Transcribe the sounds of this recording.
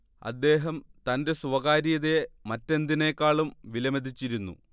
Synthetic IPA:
ɐ̰d̪ːe̞ːɦɐmt̪ɐnde̞suʋɐɣaːɾijɐðemɐtːe̞nd̪inekːaːɭumʋilɐmed̪it͡ɕːiɾunːṵ

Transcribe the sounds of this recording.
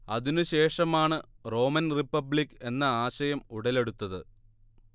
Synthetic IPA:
ɐðinɨɕe̞ːʂɐmaːɳɨ | ro̞ːmɐnripːɐblikːe̞nːɐaːɕɐjɐmuɽɐle̞ɽut̪ːɐðɨ

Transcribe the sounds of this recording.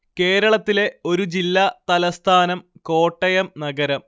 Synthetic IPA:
ke̞ːɾɐɭɐt̪ːile̞o̞ɾud͡ʑilːat̪ɐlɐst̪ʰaːnɐmko̞ːʈːɐjɐmnɐɡɐɾɐm

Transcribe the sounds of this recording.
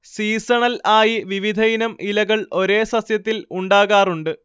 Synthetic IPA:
siːsɐɳɐlaːjiʋiʋid̪ʱɐjinɐmʔilɐɣɐɭo̞ɾe̞ːsɐsjɐt̪ːiluɳɖaːɣaːruɳɖɨ

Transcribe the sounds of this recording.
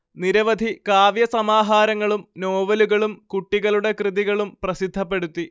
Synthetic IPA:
niɾɐʋɐd̪ʱikaːʋjɐsɐmaːɦaːɾɐŋːɐɭumno̞ːʋɐluɣɐɭumkuʈːiɣɐɭuɽe̞krɨðiɣɐɭumprɐsid̪ʱːɐpːe̞ɽut̪ːi

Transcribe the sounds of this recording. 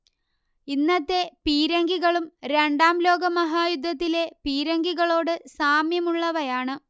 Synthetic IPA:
inːɐt̪ːe̞piːɾɐŋɡiɣɐɭumɾe̞ɳɖaːmlo̞ːɡɐmɐɦaːjud̪ʱːɐt̪ːile̞piːɾɐŋɡiɣɐɭo̞ːɽɨsaːmjɐmuɭːɐʋɐjaːɳɨ

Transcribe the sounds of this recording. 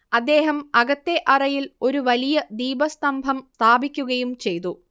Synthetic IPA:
ɐd̪ːe̞ːɦɐmɐɣɐt̪ːe̞ʔɐrɐjilo̞ɾuʋɐlijɐd̪iːbɐst̪ɐmbʱɐmst̪ʰaːbikʲːuɣɐjumt͡ɕe̞jt̪u

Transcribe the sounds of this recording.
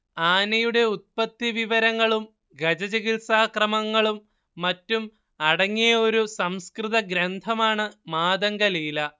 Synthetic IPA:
aːnɐjuɽe̞ut̪̚pɐt̪ːiʋiʋɐɾɐŋːɐɭum | ɡɐd͡ʑɐd͡ʑɐɣilsaːkrɐmɐŋːɐɭumː | ɐtːum | ɐɽɐŋːijɐo̞ɾusɐmskriðɐɡɾɐnd̪ʱɐmaːɳɨmaːd̪ɐŋɡɐliːlɐ

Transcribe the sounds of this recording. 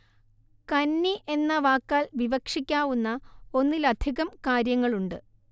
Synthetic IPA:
kɐnːiʔe̞nːɐʋaːkːaːlʋiʋɐkʂikʲːaːʋunːɐo̞nːilɐd̪ʱiɣɐmkaːɾjɐŋːɐɭuɳɖɨ

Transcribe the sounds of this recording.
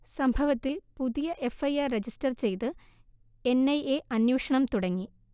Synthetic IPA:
sɐmbʱɐʋɐt̪ːilpuðijɐʔe̞fɐjaːred͡ʑistɐrt͡ɕe̞jt̪ɨ | e̞nːɐjeʔɐnjuːʂɐɳɐmt̪uɽɐŋːi

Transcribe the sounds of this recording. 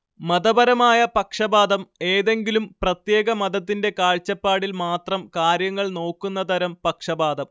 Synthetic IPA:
mɐd̪ɐbɐɾɐmaːjɐpɐkʂɐbaːd̪ɐme̞ːðe̞ŋɡilumprɐt̪je̞ːɡɐmɐd̪ɐt̪ːinde̞kaːɻt͡ɕːɐpːaːɽilmaːt̪rɐmkaːɾjɐŋːɐɭno̞ːkːunːɐt̪ʰɐɾɐmpɐkʂɐbaːd̪ɐm

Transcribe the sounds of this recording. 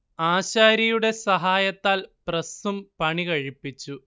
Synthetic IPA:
aːɕaːɾɐjuɽe̞sɐɦaːjɐt̪ːaːlprɐsumpɐɳikɐɻipːit͡ɕːu

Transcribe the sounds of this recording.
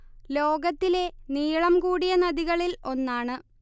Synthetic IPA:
lo̞ːɡɐt̪ːile̞niːɭɐmkuːɽijɐnɐðiɣɐɭilo̞nːaːɳɨ

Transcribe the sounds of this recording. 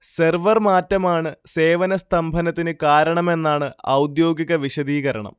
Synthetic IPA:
serʋɐrmaːtːɐmaːɳɨse̞ːʋɐnɐst̪ʰɐmbʱɐnɐt̪ːinɨkaːɾɐɳɐme̞nːaːɳɨɐ̰wd̪jo̞ːɡiɣɐʋiɕɐd̪iːɣɐɾɐɳɐ̰m

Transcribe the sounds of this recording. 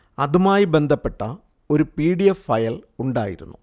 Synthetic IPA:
ɐðumaːjibe̞nd̪ʱɐpːe̞ʈːɐ | o̞ɾupiːɽijɐfːɐjɐluɳɖa̰ːjḭɾunːu

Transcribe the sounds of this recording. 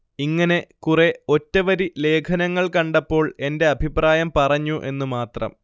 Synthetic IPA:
iŋːɐne̞kureo̞tːɐʋɐɾile̞ːkʰɐnɐŋːɐɭkɐɳɖɐpːo̞ːɭe̞nde̞ɐbʱipraːjɐmpɐrɐɲːuʔe̞nːumaːt̪rɐ̰m

